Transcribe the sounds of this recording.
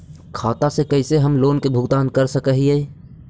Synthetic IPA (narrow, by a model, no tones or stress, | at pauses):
kʰaːt̪asekəɪseɦəmloːnkebʱʊɡt̪aːnkəɾsəkəɦie